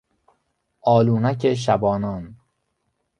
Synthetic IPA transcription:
ʔɒːluːnækʰeʃ̬æbɒːnɒːn

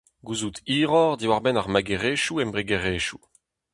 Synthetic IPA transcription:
ɡuːzut̪iːʁɔʁd̪iwaʁbɛnaʁmaɡeʁeːʃuɛmbʁiɡeʁeʃu

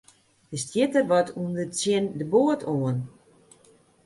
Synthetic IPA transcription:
tɪstjɪtərʋɔtʰundət͡sjɪndəboətʰoən

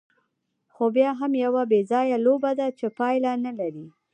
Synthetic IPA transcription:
xobjɑɦamjawabezɑjalobad̪at͡ʃepɑjlanalaɾi

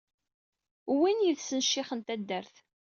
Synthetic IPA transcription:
winjiðsənʃːɪχənt̪æd̪ːəɾθ

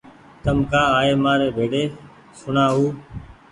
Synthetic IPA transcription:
t̪əmkaːaːɦeːmãːɾeːbʱeːɖeː | sʊnaːɦuː

